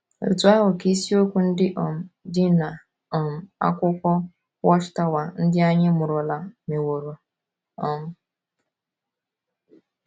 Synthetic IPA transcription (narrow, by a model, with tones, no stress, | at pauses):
o̰˨tu˨˦a˦ɦʊ˨ki˦si˦o˦kʷu˨n̩˦dɪ˦ʔɔ˨m̩˨dɪ˦na˨ | ɔ˨m̩˨a̰˦kʷʊ˦kʷɔ˦ | wɔ˦ʃɪ̥˦˨ta˦wa˨n̩˦dɪ˦a˦ɲɪ˦mʊ˨ɾʊ˨la˨me˨wo˨ɾo˨ | ɔ˨m̩˦